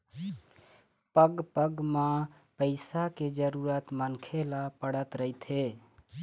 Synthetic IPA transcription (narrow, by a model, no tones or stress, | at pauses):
pəɡpəɡma | pəɪsaked͡ʒəɾuɾət̪mənkʰelapəɽ̤ət̪ɾəɦit̪ʰe